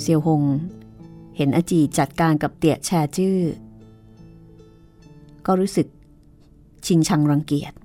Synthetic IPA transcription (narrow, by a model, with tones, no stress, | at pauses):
si˧əwɦo˧ŋ | he˩˦nʔa˧t͡ɕiː˨˩t̪̚t͡ɕa˨˩t̪̚kaː˧nka˨˩p̚t̪i˨˩ək̚t͡ɕʰɛː˧t͡ɕɯː˥˩ | kɔː˥˩ɾuː˦˥sɯ˨˩k̚ | t͡ɕʰi˧ŋt͡ɕʰa˧ŋɾa˧ŋki˨˩ət̪̚